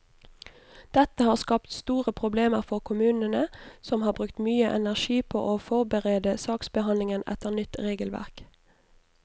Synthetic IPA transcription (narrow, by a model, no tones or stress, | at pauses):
d̪̥ɛt̪əhɑːʁskɑpt̪st̪uːʁəpʰʁʊbleːməʁfɔʁkʰʊmʉːnənəsɔmhɑːbʁʉk̚t̪myːəʔɛ̰næʁʃiːpʰo̰ːʔoːfɔʁbəʁeːd̪əsɑːksbəhɑnlɪŋənɛ̰t̪əʁnʏt̪ʁeːɡəlʋæ̰ʁk